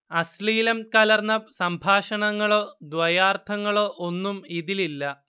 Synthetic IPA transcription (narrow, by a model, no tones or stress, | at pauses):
ɐsliːlɐmkɐlɐrnɐsɐmbʱaːʂɐɳɐŋːɐɭoːd̪ʋɐjaːrt̪ʰɐŋːɐɭo̞ːʔo̞nːumiðililːɐ